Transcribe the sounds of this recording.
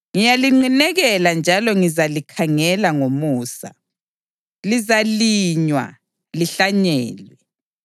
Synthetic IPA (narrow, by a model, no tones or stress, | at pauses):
ŋijaliŋ͡ǃinɛɣɛland͡ʒʱalɔŋizalikʰaŋɛlaŋomuːsa̰ | lizaliɲwa̰ | liɬaɲɛːlwɛ